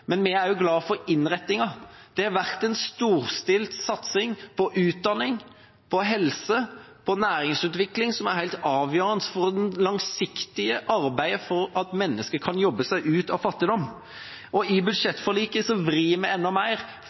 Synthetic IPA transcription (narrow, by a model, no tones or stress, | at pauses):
mɛnmɪæɾjʊɡlɑːfɔɾɪnʁɛt̪ːɪŋɑd̪̥ɛhɑʋæʁt̪ɛnst̪uːɾst̪ɪlt̪sɑt̪sɪŋpʰɔʔʉːt̪̚d̪ɑnɪŋ | pʰɔɦɛlsə | pʰɔnæːɾɪŋsʉːt̪ʋɪklɪŋsɔmæɾhæɪlt̪ɑːʋjøːɾənt̪fɔɾd̪ɛnlɑŋsɪkt̪ɪəʔɑɾbæɪfɔɾɑt̪mɛnːəskəkʰɑnjɔbːəsæɪʔʉːt̪ɑʋfɑt̪ːɪd̪ɔm | ʔɔɪbʉd̪ʂɛt̪ːfɔliːkəsɔʋɾiːmɛɛnːɔmæɪɾ